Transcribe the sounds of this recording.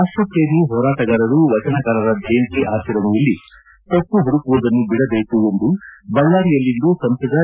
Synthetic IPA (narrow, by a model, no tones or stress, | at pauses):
aːʂʈɾɐpeːniɦɔːɾaːʈɐɡɐɾɐɾuʋɐt͡ʃɐnɐɡɐɾɐɾɐd̪eːnt̪iʔaːsiɾɐmɐjilːi | t̪opːuɦuɽukuʋɐd̪ɐnːubiɽɐbeːkuond̪ubɐŋlaːɾijɐlːind̪uːsɐmsɐd̪ɐ